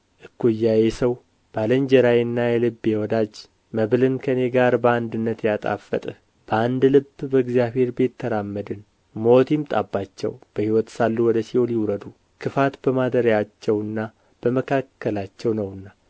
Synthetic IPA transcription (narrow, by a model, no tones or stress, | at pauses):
ʔɨkːujːajesəw | b̥aləɲd͡ʒɛɾajɨnːajɛlɨbːjɛwɔd̪ad͡ʒ | məβlɨnkʰəne̞ɡaɾbəand̪ɨnːət̪jat̪ʼa̰fːə̰t̪ʼ | b̥əand̪lɨbːbəɨɡzjaβhe̞ɾbe̞t̪ʰːəɾamːəd̪ɨn | mot̪jɪmt̪ʼabːat͡ʃːɛ̰wb̥əhiwɔt̪salːuwɔd̪əsioliwɾəd̪u | kʰɨfat̪bəmad̪əɾjat͡ʃːɛwɨnːa | b̥əməkʰakːəlat͡ʃːɛwnəwɨnːa